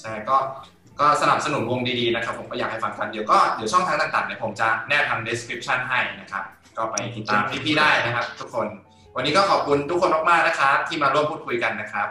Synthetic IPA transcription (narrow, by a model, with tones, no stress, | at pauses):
t͡ɕʰa˥˩jkɔː˥˩ | kɔː˥˩sa˧na˨˩p̚sa˧nu˩˦nwo˧ŋdiː˧diː˧na˦˥kʰa˦˥pʰːo˨˩˦kɔː˥˩jaː˨˩k̚ha˥˩fa˧ŋkʰa˧ndi˧əwkɔː˥˩di˨˦wt͡ɕʰɔ˥˩ŋt̪ʰa˧ŋt̪aː˨˩ŋt̪aː˨˩ŋni˥˩ɐpʰo˩˦mt͡ɕa˨˩nɛː˥˩t̪ʰa˧mde˦˥skʰɾi˦˥p̚t͡ɕʰa˥˩nɦa˥˩jna˦˥kʰɾa̰˦˥p̚ | kɔː˥˩pa˧jt̪i˨˩t̪ːaː˧mpʰi˥˩p̪ʰiː˥˩daː˥˩jna˦˥kʰa˦˥p̚t̪ʰu˦˥kʰːo˧n | wa˧nːiː˦˥kɔː˥˩ɔː˨˩p̚kʰu˧nt̪ʰu˦˥kʰːo˧nmɔː˨˧˩kmaː˥˩k̚na˦˥kʰa˦˥t̪ʰiː˥˩maː˧ɾu˥˩əmpʰuː˥˩kʰu˧jka˧nːa˦˥kʰɾa˦˥p̚